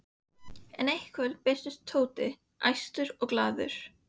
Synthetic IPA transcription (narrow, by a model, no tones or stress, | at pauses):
ɛnejhkʰvɛlpɛːst̪ʏst̪ʰːoːwt̪ɪ | ʔa̰jst̪ʏɾɔɣklaːðʏ̰ɾ̥